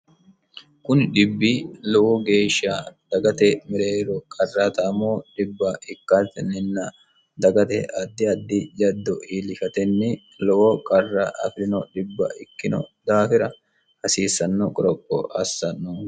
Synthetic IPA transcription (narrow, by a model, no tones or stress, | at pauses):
kʊnɗɪbːilɔwɔɡe̞ːʃaːd̪̥ɐɡɐt̪ɛmɪɾeːɾɔkʼɐrːaːt̪ɐːmoːᶑɪbːaɪkːat̪ɛnːɪnːɐ | d̪ɐɡɐt̪ɛ̰ʔɐd̪ːɪɐd̪ːɪd͡ʒɐd̪ːɔʔiːlɪʃɐt̪ɛnːɪ | lɔwɔkʼɐrːaʔɐ̰fɪɾɪnɔᶑɪbːɐ̰ʔɪkːɪnɔ̰d̪aːfɪɾɐ | hɐsiːsːɐnːɔkʼɔɾɔkʼːɔ̰ʔɐ̰sːɐnu